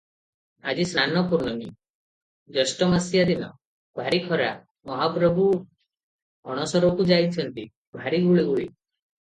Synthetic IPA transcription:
a̰d͡ʒisɾanɔpuɾnɔnḭ | d͡ʒɔsʈɔmasjad̪inɔ̰ | bʱaɾikʰɔɾa | mɔɦapɾɔbʱu | ɔɽ̃ɔsɔɾɔkud͡ʒajt͡ʃʰɔnt̪i | bʱaɾiɡuɭiɡuɭḭ

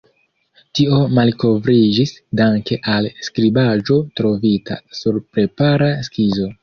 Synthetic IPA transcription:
tio̞malko̞vɾid͡ʒisdaŋke̞ʔalskɾibad͡ʒo̞tɾo̞vita̰suɾpɾe̞paɾaskizo̞

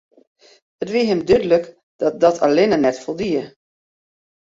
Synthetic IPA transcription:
ətʋiəɦɪmdydələk | d̥ɔt̚dɔtʰa̰lɪnənɛtfolˠdiə

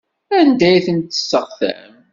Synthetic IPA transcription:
ænd̪æjθənt̪ə̥sːəʁθæ̰m

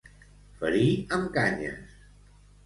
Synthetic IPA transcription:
fəɾiəmkaɲə̰s

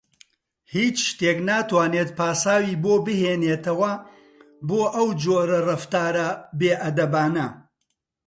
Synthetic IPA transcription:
hiːt͡ʃʃt̪eːknaːt̪waːneːt̪̚paːsaːwiːboːbɨheːneːt̪ɐwɐ | boːʔɐwd͡ʒoːɾɐrɐft̪aːɾɐbeːʔɐd̪ɐbaːnɐ

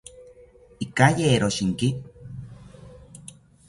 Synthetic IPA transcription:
ikajeːɾoʃiŋki

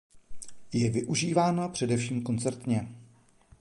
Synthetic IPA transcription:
jɛvɪʔuʒiːvaːnapr̝̥ɛdɛfʃiːmko̞nt͡sɛɾt̪ɲɛ

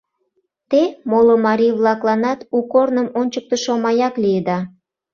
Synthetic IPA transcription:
t̪emolomɑɾʲijβlɑklɑnɑt̪ukornəmonʲt͡ɕək̚t̪əʃomɑjɑkliəd̪ɑ

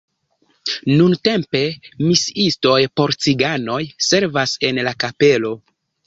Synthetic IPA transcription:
nunte̞mpe̞misisto̞jpo̞ɾt͡siɡano̞jse̞ɾvase̞nlakape̞lo̞

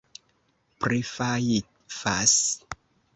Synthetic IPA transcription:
prifajit̪̚fas

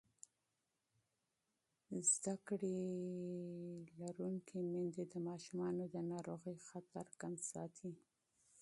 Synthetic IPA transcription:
zd̪akɽe | laɾuŋkʰemɪnd̪ed̪əmɑʃumɑnod̪ənɑɾoɣəjxat̪aɾkansɑ̰t̪ʰi

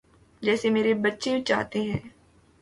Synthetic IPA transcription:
d͡ʒɛːsemeːɾebɐtːʃeũt͡ʃa̰ːɦt̪eɦɛ̃ː

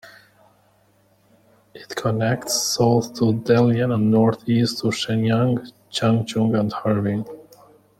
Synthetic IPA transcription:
ʔɪtkʰənɛktsboʊθtʰudɛlˠjə̃nə̃nnɔɹθistʰuʃɛ̃njãŋ | t͡ʃãŋd͡ʒʊ̃ŋɡə̃ndhɑɹvɪ̃ŋ

